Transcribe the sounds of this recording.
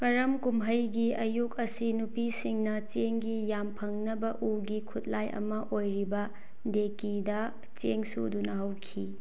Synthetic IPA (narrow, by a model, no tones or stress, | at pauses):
kɐɾɐmkumɦɐjɡiɐjukɐsinupisiŋnɐt͡ʃeŋɡijampʰɐŋnɐbɐʔuɡikʰut̚lajʔɐ̰mɐʔojɾibɐ | dekidɐ | t͡ʃeŋsṵdunɐɦɐwkʰi